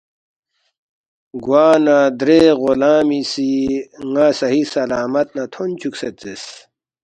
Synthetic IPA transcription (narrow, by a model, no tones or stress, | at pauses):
ɡwaːnad̪ɾeːɣolaːmisiŋasɐɦisɐlaːmɐt̪̚nat̪ʰont͡ɕʰukset͡s̪es